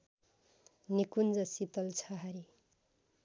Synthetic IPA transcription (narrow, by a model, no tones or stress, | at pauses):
nikund͡zʌsit̪ʌlt͡sʰʌɦʌɾi